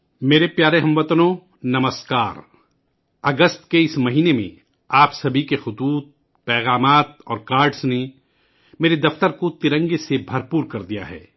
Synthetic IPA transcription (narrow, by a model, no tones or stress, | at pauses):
meːɾepjaːɾeɦɐ̃mʋət̪ənõ | nɐməskaːɾ | ɐɡəst̪keɪsmɐɦiːnemḛ̃ | aːpsɐbʱikexʊt̪uːt̪̚ | pɛːɣaːmaːt̪ɔːɾkaːɾɖsne | meːɾed̪ɐft̪əɾkot̪ɪɾə̃ŋɡesebʱɐɾpuːɾkɐɾd̪ija̰ɦɛ̰ː